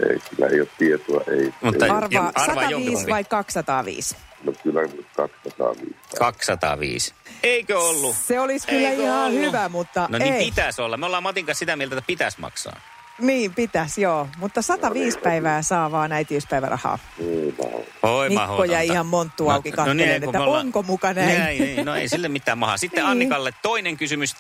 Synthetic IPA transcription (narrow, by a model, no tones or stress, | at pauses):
ḛikylːæ̰ḛˑioːt̪t̪iet̪uɑ̰ʔeˑimuet̪ːɑɑrʋɑːsɑʋ̪ɑʋiːsʋɑikkɑksːɑt̪ɑːʋḭːsnokylːæut̪kɑksːɑt̪ɑ̰ːʋḭːskkɑkssɑt̪ɑ̰ʋḭːseikøolːuseoliskyllːæihɑhyʋæmut̪ːɑnoneiit̪æsolːɑmolːɑːmɑt̪iŋkɑ̃nsit̪æmielt̪et̪ːæ̥pit̪æsmɑ̰ksɑ̰ː | niːmpit̪æsjoːmut̪ːɑsɑt̪ɑʋiːspæiʋæːsɑːʋɑːnæit̪iøspæiʋæ̰rʔɑ̰hɑ̰ː | enæ̰ | oiiɑhokːojɑiihɑmmont̪ːuːɑukikɑnoneenekmæoloŋkomukɑnæiæːnoḛisilːemit̪ːæːmmɑhɑ̰sit̪ːeɑnːikɑlːet̪toineŋkysymys